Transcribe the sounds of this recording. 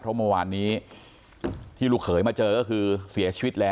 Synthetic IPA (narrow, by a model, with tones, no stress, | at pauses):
pʰɾɔ˦˥mo˧waː˧nːiː˦˥ | t̪ʰiː˥˩ɾuː˧˩kʰɤː˩˦jmaː˧t͡ɕɤː˧kɔː˥˩kʰɯː˧si˨˩˦ɐt͡ɕʰiː˧wi˦˥t̪̚lɛː˦˥